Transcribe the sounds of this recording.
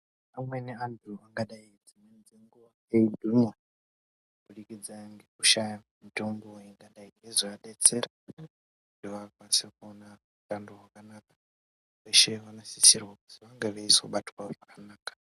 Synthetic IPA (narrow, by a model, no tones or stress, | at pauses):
amweneandʰuaŋɡaɗaid͡zimwend͡zeŋɡuʋa | eidʱumwe | bulikid͡zaŋɡekuʃajamitomboiŋɡaɗaiŋɡeziaɗet͡seɾa | ndeʋakwasikuona | utandoɦwakanakḁ | ʋeʃeʋanasisirwakutiʋaŋɡeʋeiso̰ɓatwaʐakanaːkḁ